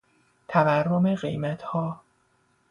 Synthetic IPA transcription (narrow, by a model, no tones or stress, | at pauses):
t̪ʰæværːome̞ɢe̞̰jmæt̪ʰhɒː